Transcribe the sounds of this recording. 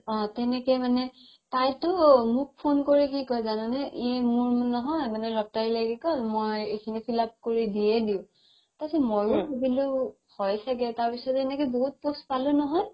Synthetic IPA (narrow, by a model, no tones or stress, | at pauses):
ɔ̃tɛnɛkɔmanɛ | tajtʊmʊk̚pʰonkoɹikikɔjzanɔnɛʔiɛmuɹnɔɦɔjmanɛlɔk̚taɹilaɡikɔmojekʰinipʰilap̚koɹidiɛdiʊ̃ | tasɛmojuebilo | hɔjsʰakɛtaɹpisɔtɛnɛkɔboɦut̚pospalunɔɦɔj